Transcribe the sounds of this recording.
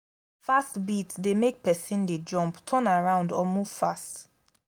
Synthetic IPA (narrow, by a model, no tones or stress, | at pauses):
fastbitsdemek̚pɛsĩnded͡ʒɔ̃mptʰə̃naɹãʊ̃ndɔmuv̥fast